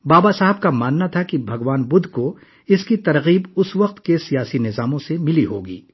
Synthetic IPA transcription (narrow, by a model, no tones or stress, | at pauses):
baːbasaɦəb̚kamaːnːat̪ʰakibʱɐɡʋaːnbʊd̪ʱko | ɪskit̪ɐɾɣiːbʊsʋɐq̚t̪kesijaːsinɪzaːmõsemɪliɦoːɡḭː